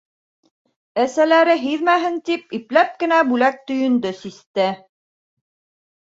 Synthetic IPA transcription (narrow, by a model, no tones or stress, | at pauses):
æsælæɾɘɦiðmæɦɘnt̪ip̚iplæp̚kɘ̆næbʉlæk̚t̪ɵ̆jɵ̆nd̪ɵsist̪ɘ